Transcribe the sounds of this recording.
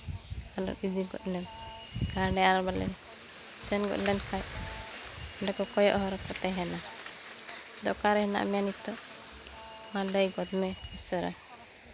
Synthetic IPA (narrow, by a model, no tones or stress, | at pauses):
anɔ̰ʔid̪iɡɔ̰ʔ̪̚nɛm | ɡaɖɛaɾbalɛ̰ | sɛnɡɔ̰ʔ̪lɛnkʰaj | ɔɳɖɛkɔkɔjɔ̰ʔɦɔɾɔkɔt̪ɛɦɛna | d̪ɔʔkaɾɛhɛna̰ʔmɛjanit̪ɔʔ | maɖəjɡɔd̪mɛusɔɾɛ̰